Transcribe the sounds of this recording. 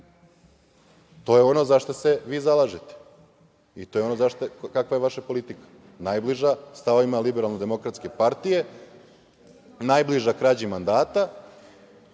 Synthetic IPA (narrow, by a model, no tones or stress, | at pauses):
t̪o̞je̞o̞no̞zaʃt̪ose̞ʋiːzalˠaːʒet̪e̥ | it̪ojeo̞no̞zaʃt̪okakʋajeʋaʃapo̞lit̪ikḁ | naːjbliʒast̪aʋoimalibeɾalnod̪e̞mo̞kɾat̪ske̞paɾt̪ije̞ | naːjbliʒakɾaːd͡ʑimand̪aːt̪a